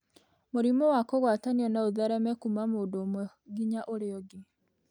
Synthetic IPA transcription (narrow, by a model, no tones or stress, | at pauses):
moɾimɔwakoɣwataniɔnaoðɛɾɛmɛkumamoːndoːmwɛ | ɡiɲaʔoɾeɔɡi